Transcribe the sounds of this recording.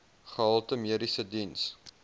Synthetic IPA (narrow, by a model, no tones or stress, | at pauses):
χəɦɑlˠtəmiəɾisədins